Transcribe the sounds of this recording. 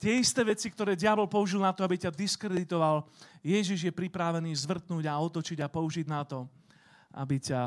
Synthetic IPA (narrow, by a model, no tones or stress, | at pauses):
t̪ɪɛist̪ɛːʋɛt͡sik̚t̪ɔɾɛːɟɪabɔlpɔuʒilnat̪ɔabicad̪iskɾɛd̪it̪ɔʋaljɛʒiʒjɛpɾipɾaʋɛniːzʋr̩t̪nuːɟaɔt̪ɔt͡ʃiɟapɔuʒiɟnat̪ɔ | ʔa̰bica